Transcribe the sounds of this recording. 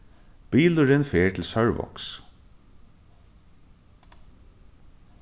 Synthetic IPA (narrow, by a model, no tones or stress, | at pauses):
b̥iːlʊɹɪnfeːɹt̪ʰlsœɹʋɔ̰ks